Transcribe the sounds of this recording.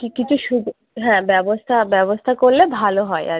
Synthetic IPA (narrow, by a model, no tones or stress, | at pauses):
kikit͡ɕʰuʃuɡ | ɦɛ̃bɛbost̪ʰabɛbost̪ʰakoɾlebʱaloɦɔea̰